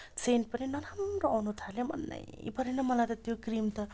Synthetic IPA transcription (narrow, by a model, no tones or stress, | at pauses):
seɳʈ̚pʌninʌɾamroawnut̪ʰaljomʌ̰nːa̰jpʌɾenʌmʌlajt̪ʌt̪jokrimt̪ʌ